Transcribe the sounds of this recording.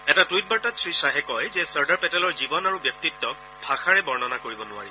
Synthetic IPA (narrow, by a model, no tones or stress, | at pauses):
ɛtatuit̚baɹtatsɹisaɦɛkɔjzɛsaɹdaɹpɛtɛlɔɹzibɔnaɹubjɔk̚titːɔk | bʱaxaɹɛbɔɹnɔnakoɹibɔnʊwa̰ɹi